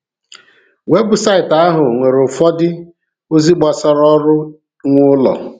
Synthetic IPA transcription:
we˦ɡʊ˨sa˦ɪ˨ta˦ɦʊ˨ŋʷe˨ɾʊ˨fɔ˦dɪ˦ | o˦zi˦ɡ͡bɔ˨sɔ˦ɾɔ˦ɾʊ˦ | ŋʷʊ˦lɔ̰˨

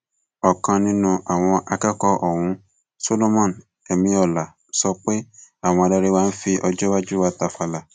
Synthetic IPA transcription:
ɔ˨kã˧nĩ˦nũ˧ʔa˨w̃ɔ̃˧ʔa˧kɛ˦kɔ˧ʔɔ˨wũ˨˦ | so˦lo˦mɔ̃˦˨n | ɛ˨mĩ˧ɔ˨la˨ | sɔ˧k͡pe˦a˦˨w̃ɔ̃˧a˧da˧ɾe˦waː˦n̩˦fi˧ʔɔ˧d͡ʒɔ˦wa˦d͡ʒu˦wa˧ta˧fa˧la˨

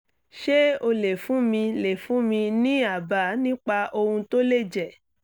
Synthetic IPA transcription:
ʃe˦o˧le˨fũ˨˦mĩ˧le˨fũ˨˦mĩ˧nĩ˦a˦˨ba˨˦nĩ˦k͡pa˧ʔo˧hũ˧to˦le˦˨d͡ʒɛ˨

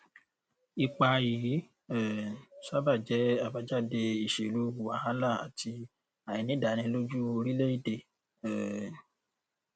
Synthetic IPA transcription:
i˧k͡pa˧ji˨˦ | ɛ˨sa˦ba˦˨d͡ʒɛ˨˦a˦˨ba˧d͡ʒa˦˨de˧i˨ʃe˨lu˨˦u˧˨wa˦hã˦la˦˨a̰˨tʰi˧ | a˨jĩ˧nĩ˦da˨nĩ˧˦lo˦d͡ʒu˦o˧ɾi˦le˦i˦˨de˧ | ɛ˨

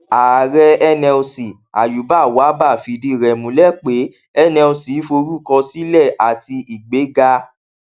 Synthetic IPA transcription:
a˨ɾɛ˧ɛ˧nɛ̃˧o˧si˨ | a̰˨ju˨˦ba˦˨wa˨˦ba˦˨fi˨di˧˦˨ɾɛ˨mũ˨˦lɛ˦˨k͡pe˨˦ | ɛ˦nɛ̃˧o˧si˨˦fo˧ɾu˦˨kɔ̃˧si˦lɛ˦˨ʔa˨ti˧i˨ɡ͡be˨˦ɡa˧

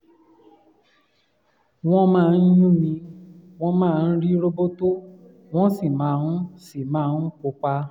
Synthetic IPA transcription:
w̃ɔ̃˦mãː˦˧˨n̩˦jũ˦mĩ˧w̃ɔ̃˧mãː˦˧˨n̩˦ɾi˦ɾo˦bo˦to˦ | w̃ɔ̃˦si˦˨mãː˨˦ũ˦si˦˨mãː˦˧˦ko˧k͡pa˧

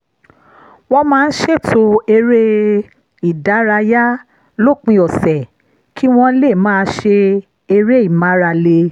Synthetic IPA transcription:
wɔ̃˧mãː˦˧n̩˦ʃe˦˨tʰo˧e˧ɾe˦ | i˨da˨˦ɾa˧ja˦ | lo˦˨k͡pĩ˧ɔ˨sɛ˨ | kʰi˨˦w̃ɔ̃˧le˦˨mãː˦˧˦ʃe˧ | e˧ɾe˦i˦˨mã˨˦ɾa˧le˧

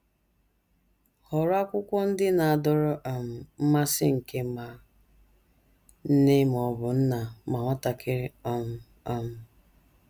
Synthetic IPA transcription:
hɔ˨ɾa˦kʷʊ˦kʷɔ˦n̩˦dɪ˦na˨a˨dɔ˨ɾɔ˦ʔa˨m̩˨m̩˦ma˦sɪ̰˦ŋ̩˨ke˦ma˨ | n̩˦ne˦m˨ɔ˨bʊ˨n̩˦na˨ma˨ŋʷɔ˦ta˨kʰɪ˦ɾɪ˦ɔ˨m̩˨ | a˨m̩˨

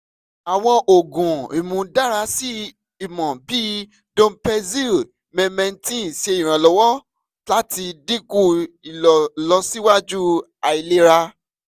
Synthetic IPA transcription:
a˨w̃ɔ̃˧ʔo˨ɡũ˨i˨mũ˨da˦˨ɾa˧˦si˦ | i˨mɔ̃˨bi˦ | dõ˧˦pɛ˧zi˦ | mɛ̃˧mɛ̃˧n˦tĩ˦˨ʃe˧i˨ɾ̃ã˨lɔ˧˦wɔ˦ | la˨˦ti˧di˦ku˦i˨lɔ˨lɔ˧˦si˦wa˦d͡ʒu˦ | a˨i˧le˦ɾa˧

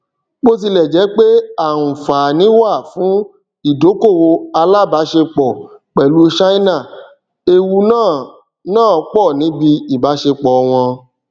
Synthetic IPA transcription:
k͡po˦s̬i˧lɛ˨d͡ʒɛ˨˦k͡pe˦a˦˨ũ˨fa˨nĩ˨˦wa˦˨fũ˨˦ | i˦˨do˨˦ko˦˨wo˧a˧la˦˨ba˨˦ʃe˧k͡pɔ˨k͡pɛ˨lu˨˦ʃa˦i˦na˦˨ | e˧wu˧nãː˦˨ | nãː˦˨ɔ˧˦k͡pɔ˦˨nĩ˨˦bi˧i˨ba˨˦ʃe˧k͡pɔ˨ɔ˧w̃ɔ̃˧

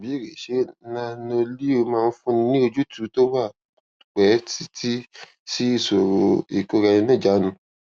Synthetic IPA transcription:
bi˨˦˨ɾe˨ʃe˨˦nã˦no˧li˦o˧mãː˦˧n̩˦fũ˦nĩ˧nĩ˦o˧d͡ʒu˦tu˨˦to˦wa˦˨ | k͡pɛ˨˦ti˦ti˦ | si˦i˦˨so˨ɾo˨i˨ko˦ɾa˧ĩ˧nã˦˨d͡ʒa˨˦nũ˧˦

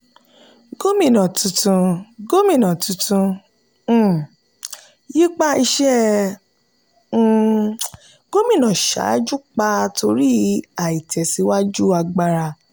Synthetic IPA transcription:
ɡ̥o˦mĩ˦˨nã˨tũ˧tũ˧ɡo˦mĩ˦˨nã˨tũ˨˧tũ˧˦˨ | ji˦k͡pa˦i˧ʃɛ˦˧ | ɡ̥o˦mĩ˦˨nã˨ʃa̰˨˦d͡ʒu˦k͡pa˧tʰo˧ɾi˦a˨i˨tʰɛ˨si˨˧˦wa˦d͡ʒu˦a˧ɡ͡ba˧ɾa˧

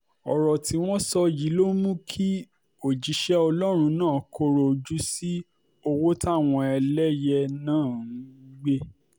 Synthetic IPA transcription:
ɔ˨ɾɔ˨ti˧w̃ɔ̃˦sɔ˧ji˨˦lo˦mũ˦kʰi˦ | o˨d͡ʒi˨˦ʃɛ˦ɔ˧lɔ˦ɾ̃ũ˧nãː˦˨kʰo˧˦ɾo˨d͡ʒu˦si˦ | o˧wo˦ta˦˨w̃ɔ̃˧ɛ˧lɛ˦jɛ˧nãː˦˨ũ˨˦˨ɡ͡be˦

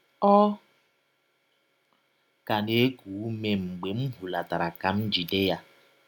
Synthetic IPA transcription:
ɔ˦ | ka˨ne˦ku˨˦me˦ŋ͡m̩˨ɡ͡be˨m̩˦ɦu˨la˨ta˨ɾa˨ka˦m̩˦d͡ʒu˨de˦ja˨

